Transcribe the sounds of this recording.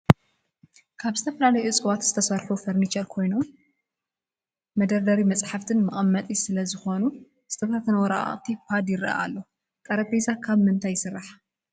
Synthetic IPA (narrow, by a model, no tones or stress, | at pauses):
kʰaβzɨt̪ʰɐfɐlalɐjut͡sʼɨwat̪z̥ɨt̪ʰɐsɐɾħufɐɾnit͡ʃɐɾkʰo̞jno̞m | mɐd̪ɐɾd̪ɐɾimɐt͡sʼħaft̪ʰɨnmɨχʼɐmːɐt̪ʼisɨlɐzɨxo̞nu | zɨt̪ʰɐfat̪ɐnɐwɔɾa̰a̰ʔʼt̪ʰipʰad̪jɪɾʔa̰ʔa̰lːo | kʼɐɾɐpezakʰaβmɨnt̪ʰajɪsɨrːaħ